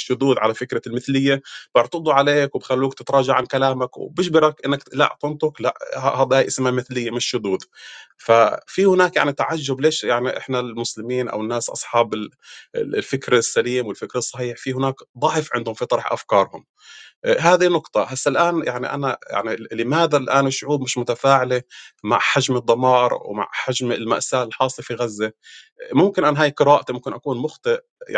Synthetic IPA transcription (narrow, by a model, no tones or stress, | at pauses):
ʃːʊd̪uːd̪ʕa̰lafɪkɾalmɪθlɪjːab̥ɪʕɾt̪ɑd̪ˤuʕaleːkwbxalːuːkt̪ɪt̪ɾˤɑːʒaʕankalaːmakwbɪʃbɪɾakʔɪnːakla̰ʔqʊnt̪ʊkla̰ʔhad̪ˤaːjʔɪsmamɪθlɪjːamɪʃːʊd̪uːd̪ | fafihʊnaːkjaʕnit̪aʕaʒːʊbleːʃjaʕniʔɪ̰ħnalmʊslɪmiːnʔa̰wɪnːaːsʔɑ̰sˤħɑːbɪl̰ | lfɪkɾasːaliːmwɪlfɪkɾɑsˤːɑħiːħfihɪnaːkd̪ˤɑʕfʕɪnd̪hʊmfit̪ˤɑɾˤħʔa̰fkɑːɾˤhʊm | ɦaːd̪inʊqt̪ˤɑhasːalʔaːnjaʕnḭʔa̰naja̰ʕnilɪmaːd̪alʔaːnɪʃʊʕuːbmɪʃmʊt̪afaːʕɪlema̰ʕħaʒmɨd̪ˤːɑmɑːɾˤwma̰ʕħaʒmɪlma̰ʔsaːʔɪlħɑːsˤːefiɣazːemʊmkɪnʔanɦaːjqɨɾaːʔt̪mʊmkɪnʔakuːnmʊxt̪ˤɨʔ | ja̰